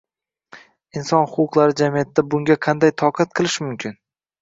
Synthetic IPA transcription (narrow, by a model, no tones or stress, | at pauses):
ɪnsɒnhʊqʰʊqlˠaɾɪd͡ʒamijat̪ːd̪abʊŋɡʲaqʰɑnd̪ajt̪ʰɒqʰɑt̪̚qʰɨlˠɪʃmʊmkʲɪn